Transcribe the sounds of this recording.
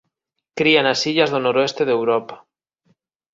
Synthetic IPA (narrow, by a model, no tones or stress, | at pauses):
kɾianasiʎazðonoɾoest̪eðewɾopḁ